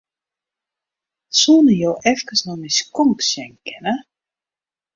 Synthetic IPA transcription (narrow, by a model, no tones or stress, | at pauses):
suːnəjoːʔɛfkəsnɔniskɔŋksjɛŋkʰɛnə